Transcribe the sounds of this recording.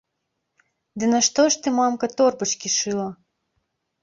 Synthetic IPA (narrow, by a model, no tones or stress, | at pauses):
d̪ɨnɐʂt̪ɔʂt̪ɨmamkɐt̪ɔrbɐt͡ʃkʲiʂɨlˠɐ